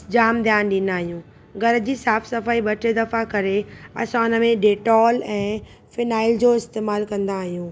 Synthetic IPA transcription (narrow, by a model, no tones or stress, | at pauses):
d͡ʑaːmd̪ʱjaːnɗɪnaːɦijũː | ɡɐɾə̆d͡ʑiːsaːfsɐfaːiɓɐʈed̪ɐfakɐɾeɐ̰sãʊnə̆mẽɖeːʈɔːlɛ̃ː | fɪnaːɪld͡ʑoːɪst̪eːmaːlkɐ̃nd̪aːɦijũː